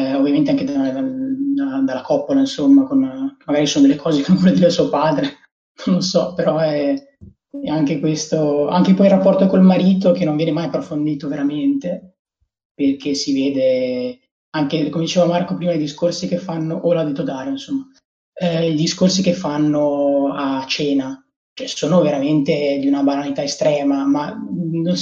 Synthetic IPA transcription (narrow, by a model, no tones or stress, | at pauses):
ovːjament̪eaŋked̪ad̪ald̪ad̪alːakɔpːolainsomːakonkemːaɡaɾisoːnod̪elːekʰɔːzekenõɱvɔlːed̪iɾesuopaːd̪ɾe | nonlːosɔpeɾɔɛɛ | ɛaŋkekwest̪oa̰ŋkepɔjilrapːɔrt̪okolmaɾiːt̪okenːoɱvjɛːnemajapːɾofond̪iːt̪oveɾament̪e | perk̟esiveːd̪e | aŋkekomed̪it͡ʃeːvamarkopɾiːmad̪ejd̪iskorsikefːanːoʔolad̪it̪od̪aːɾjoinsomːa | id̪iskorsikefːanːoat͡ʃːeːna | t͡ʃoɛsoːnoveɾament̪ed̪iunabananit̪aest̪ɾɛːmamanon